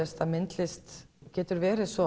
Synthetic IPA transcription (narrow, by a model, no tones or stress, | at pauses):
ɛst̪amɪnt̪lɪst̪cɛːt̪ʏɾvɛːɾɪsvɔ